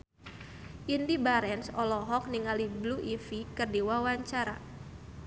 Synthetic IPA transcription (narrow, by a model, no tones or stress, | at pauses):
ʔindibaɾɛnsɔlɔɦɔk̚niŋalibluʔifikərdiwawaɲt͡ʃaɾa